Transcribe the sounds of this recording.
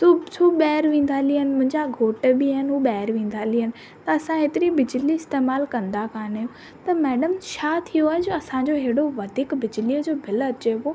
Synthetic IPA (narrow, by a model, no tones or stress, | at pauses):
susuɓɛːɾʋẽːn̆d̪aliənɪ̆mʊ̃ɦɪ̃ɲd͡ʑaɡʱoːʈbiaːɦɪnɦuɓɛːɾʋẽːn̆d̪ʱaliənɪ̆ | t̪ɐɐsãɦeːt̪ɪɾibɪd͡ʑliɪst̪eːmaːlkɐ̃nd̪akaːnejõ | t̪ɐmɛːɖəmʃaːt̪ʰijoaːɦed͡ʑoɐsãd͡ʑoːɦeɦɽoʋɐd̪ʱiːkbɪd͡ʑliəd͡ʑoːbʱɪlɐt͡ɕeboː